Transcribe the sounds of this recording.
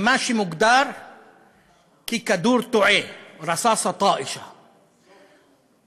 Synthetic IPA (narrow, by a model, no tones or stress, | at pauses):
maʃimʊɡd̪ɑːɾˤ | kiːkad̪uːɾt̪ʊʕeːwɾˤɑsɑːsˤɑt̪ˤɑːʔɪʃa